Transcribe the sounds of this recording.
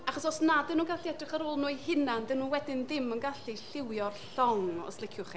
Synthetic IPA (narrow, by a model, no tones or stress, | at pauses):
aχɔsɔsnadɪnuːnɡaɬiɛdrɪχaɾoːlˠnuːjhɪnandɛnuːnwɛdɪnðɪmənɡaɬiɬɪwjɔrɬɔŋɔ̰slˠɪkʰjʊχi